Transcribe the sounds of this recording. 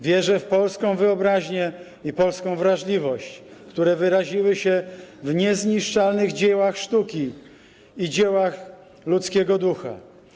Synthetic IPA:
vʲjɛʐɛfpɔlskɔ̃w̃vɘɔbɾaʑɲɛ | ipɔlskɔ̃w̃vɾaʐlʲivɔɕt͡ɕkt̪uɾɛvɘɾaʑiwɘɕɛvɲɛzɲiʂt͡ʂalnɘɣd͡ʑɛwaxʂt̪ukʲi | id͡ʑɛwax | lut̪skʲɛɡɔd̪uxa̰

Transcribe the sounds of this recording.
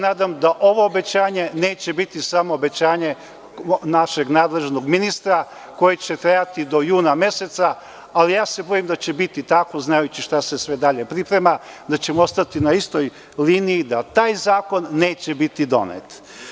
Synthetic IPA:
naːd̪amd̪aʔo̞ʋoːbe̞t͡ɕaːɲe̞ne̞ːt͡ɕe̞bit̪isamoːbe̞t͡ɕaːɲe̞ | naʃe̞ɡnaːd̪le̞ʒno̞ɡminist̪ɾa | ko̞jet͡ɕe̞t̪ɾejat̪id̪o̞juːnamje̞se̞t̪sa | alijaːse̞bo̞jimd̪at͡ɕe̞bit̪it̪akʋo̞znajut͡ɕiʃt̪ase̞sʋe̞d̪aʎe̞pɾipɾe̞mad̪at͡ɕe̞moo̞st̪at̪inaist̪o̞j | liːnijid̪at̪aːjzaːko̞nːe̞ːt͡ɕebit̪id̪o̞̰nḛt̪

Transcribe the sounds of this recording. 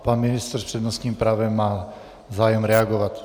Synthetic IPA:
panminist̪ɛɾspr̥ɛd̪nɔst̪niːmpɾaːʋɛmːaː | zaːjɛmɾɛaɡɔʋac

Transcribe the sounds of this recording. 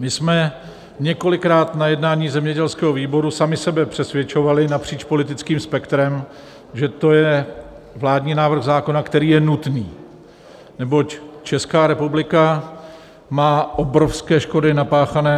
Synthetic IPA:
mɪsmɛ | ɲɛko̞lɪkɾaːt̪najɛdnaːɲiːzɛmɲɛɟɛlskɛːɦoviːbo̞ɾusamɪsɛbɛpr̝̥ɛsvjɛt͡ʃo̞valɪnapr̝̥iːt͡ʃpo̞lɪt̪ɪt͡skiːmspɛkt̪ɾɛm | ʒɛt̪o̞jɛ | vlaːdɲiːnaːvr̩ɣzaːko̞nakt̪ɛɾiːjɛnut̪niː | nɛbo̞ct͡ʃɛskaːɾɛpublɪka | maːʔobɾo̞fskɛːʃko̞dɪnapaːxanɛː

